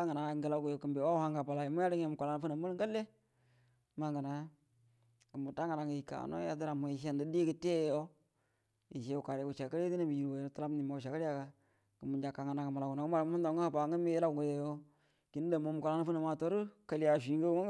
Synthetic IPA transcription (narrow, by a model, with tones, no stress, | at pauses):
a˦ŋa˨na˨ŋɡə˨la˨ɡu˨jo˨kə˨mbe˨wa˦ha˦ŋɡa˨ba˨la˨i˨mu˦ja˦ɾi˦ŋe˨mu˨kʷa˨la˨n˦fu˦na˨mu˦lŋ˦ɡə˦le˦ | ma˦ŋɡa˨na˨˦ | kə˨mu˨ta˦ŋa˨na˨ŋ˨i˨ka̰˨no̰˦ja˦də˦ɾa˨mu˨i˨ʃe˦ndə˨di˦kə˨te˦jo˦ | i˨ʃe˦u˨ka˨ɾe˨u˨t͡ʃa˨kə˦le˦ti˦na˦mi˨ji˨ɾwo˨no˨tla˦m˦ni˨ma˨u˨ʃa˨ka˦li˦ja˦ka˨ | kə˨mu˨d͡ʒa˨ka˨ŋa˨na˨kə˨ma˨la˨ɡu˨na˨ku˦ma˨ɾmu˦nda˨ŋɡə˦ha˨ba˨ŋə˦mi˦la˦ɡɡo˨jo˨jo˦ | ki˨n˦də˨mo˨mu˨kʷa˨la˦n˦fu˦na˨ma˨to˦ɾu˦kə˨li˦ja˨ʃi˨˦ŋɡə˦ŋa˦